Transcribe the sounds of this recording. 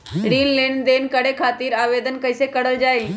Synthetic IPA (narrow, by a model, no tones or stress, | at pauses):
ɾiːnleːɳd̪eːnkəɽekʰaːt̪iːɾaːʋed̪ənkəjsekəɽəld͡ʒaːil